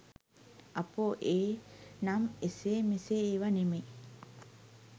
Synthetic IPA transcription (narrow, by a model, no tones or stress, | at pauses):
apoʔeːnameseːmiseːʋaneme